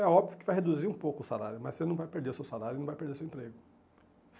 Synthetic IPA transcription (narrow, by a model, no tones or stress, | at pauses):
ɛɔbvjʊkɪvajɦed̪uziɾũpowkʊʊsala̰ɾjʊmɐsenɐ̃w̃vajpeɾd̪eɾʊsewsalaɾjʊnɐ̃vajpeɾd̪eɾʊsewẽmpɾeɡʊ